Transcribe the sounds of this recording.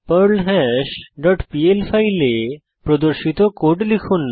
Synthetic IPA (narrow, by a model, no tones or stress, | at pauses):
pəɾlɦɛʃɖɔʈpielfʰajle | pɾod̪oɾʃit̪okoɖlikʰunː